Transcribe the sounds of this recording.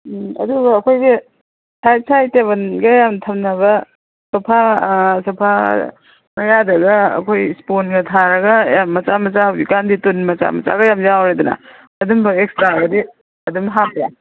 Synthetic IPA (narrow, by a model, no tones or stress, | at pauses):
ɐ̰duɡɐːkʰojɡi | tʰaj̚sʰajteβɐnɡɐjamtʰɐmnɐβɐ | sɐpʰasɐpʰa | mɐjadɐɡɐɐ̰kʰojsponɡɐtʰaɾɐɡɐjamːɐt͡ʃamɐt͡ʃahawɡikanditunmɐt͡ʃa̰mɐt͡ʃa̰ɡɐjamjawɾedunɐ̰ | ɐdumbɐek̚staɡɐdi | ɐdumɦampja